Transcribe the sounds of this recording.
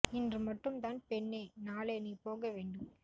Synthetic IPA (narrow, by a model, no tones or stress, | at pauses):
ɪndrɯmɐʈːɯmt̪aːnpɛɳːeːnaːleːnipoːɣɐʋeːɳɖɯm